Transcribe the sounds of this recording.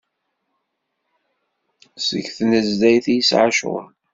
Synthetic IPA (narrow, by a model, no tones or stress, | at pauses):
sə̰ʝθnəzd̪æjθjəsʕaʃʁə̰n